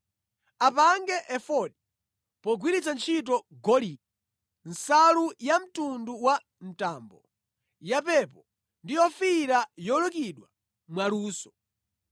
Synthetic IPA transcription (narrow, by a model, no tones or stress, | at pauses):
apaŋɡɛʔɛfɔɗi | pɔɡwiɾit͡sant͡ʃʰit̬ɔɡɔli | n̩salujam̩tunduwa | n̩taːmbɔ | japɛpɔ | ndijɔfiɾajɔlɔk̬iɗwa | mwaluːsɔ̥